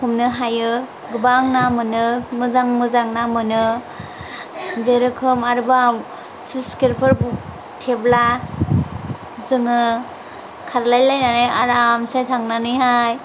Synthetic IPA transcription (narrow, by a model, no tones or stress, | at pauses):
kumnɯɦajɯ | ɡɯbaŋnamɯnɯmɯzaŋmɯzaŋnamɯnɯ | zeɾɯkʰɯmaɾbam | siskiɾpʰɯɾbu | tʰebla | zɯŋɯ | kʰaɾlajlajnanɯja̰ɾamsajtʰaŋnanɯjɦaj